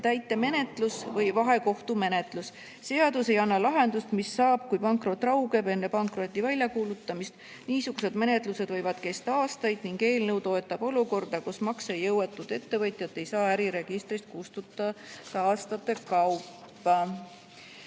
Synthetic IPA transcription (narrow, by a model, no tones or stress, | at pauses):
t̪æjt̪ːˑe̞me̞ne̞t̪lusvɤjvɑɦe̞ko̞ht̪ume̞ne̞t̪ˑlus | se̞ɑd̪̥use̞jɑnːɑlɑɦe̞nd̪ust̪misːɑːb̥̚kujpɑŋkro̞t̪ːˑrɑwɡe̞be̞nːe̞pɑŋkro̞t̪ʲːivælʲjɑkuːlut̪ːˑɑmist̪ | niːsuɡ̥use̞d̪̥me̞ne̞t̪ˑluse̞d̪̥vɤ̞jvɑd̪̥ke̞st̪ɑɑːst̪ɑjd̪̥niŋɡe̞ːlne̞wt̪o̞e̞t̪ːˑɑb̥o̞luko̞rd̪̥ɑkusmɑksejɤwe̞t̪ːˑud̪̥e̞t̪ːe̞vɤt̪jɑt̪ːˑe̞jsɑːæɾiɾe̞ɡ̥ist̪ɾist̪̚kust̪ut̪ːˑɑt̪ɑɑːst̪ɑt̪ːˑe̞kɑwpː | ɑ